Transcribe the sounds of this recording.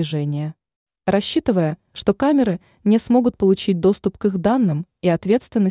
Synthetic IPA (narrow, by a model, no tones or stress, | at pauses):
ɪʐɛnʲɪjə | rɐɕːit̪ɨvəjə | ʂt̪o̞kamʲɪɾɨ | nʲɪsmo̞ɡʊt̪̚pəlˠʊt͡ɕit̚ʲd̪o̞st̪ʊpkɨxd̪anːɨmiɐt̪vʲet̪st̪vʲɪnːə